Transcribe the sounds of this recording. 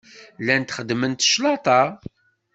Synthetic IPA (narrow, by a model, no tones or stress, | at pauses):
lːænt̪χəd̪ːmənt̪ʃlɑt̪ˤɑ